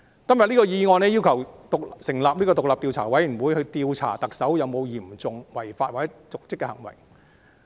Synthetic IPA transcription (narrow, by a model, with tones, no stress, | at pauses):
kɐ˥mjɐ˨t̚niː˥kɔː˧jiː˧ŋɔː˧nɛ˥jiː˥wkʰɐ˨˩wt̪ʊ˨k̚sɪ˨˩ŋlaː˨p̚niː˥kɔ˧t̪ʊ˨k̚laː˨p̚t̪iː˧wt͡sʰa̰ː˨˩wɐ˨˥jwuː˨˧jhɵ˧ɥt̪iː˧wt͡sʰa̰ː˨˩t̪ɐ˨k̚sɐ˨˥wjɐ˨˧wmo˨˧wjiː˨˩mt͡sʊ˨ŋwɐ˨˩jfaː˧t̚waː˨˩t͡sɛ˨˦˥t͡sʊ˨k̚t͡sɪ˥kːɛ˧hɐ˨˩ŋwɐ̰˨˩j